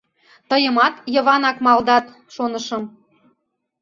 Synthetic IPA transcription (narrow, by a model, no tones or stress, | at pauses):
t̪ɤjə̆mɑt̪jɤ̆βɑnɑkmɑld̪ɑt̪ | ʃonəʃɤ̆m